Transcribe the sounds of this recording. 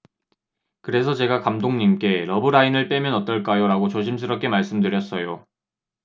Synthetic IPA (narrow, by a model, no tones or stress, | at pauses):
kɯɾe̞sʰʌt͡ɕe̞ɡakamdoŋɲimk͈e̞ɾʌbɯɾainɯɭp͈e̞mjʌnʌt͈ʌɭk͈ajoɾaɡot͡ɕoɕ̬ʰims̬ʰɯɾʌp̚k͈e̞maɭs͈ɯmdɯɾjʌs͈ʌjo